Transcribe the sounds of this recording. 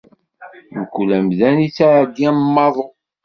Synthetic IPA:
məkʷːulæmðænit͡sːaʕɡiæmːɑðˤo

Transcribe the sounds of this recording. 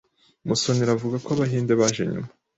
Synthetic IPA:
muso̞niɾavuɡakoaβaɦiːndeβaːʒe̞̰ɲṵma

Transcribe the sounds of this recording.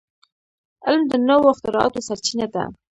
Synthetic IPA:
ɪlmd̪ənawoxt̪əɾɑ̰t̪osaɾt͡ʃinad̪a̰

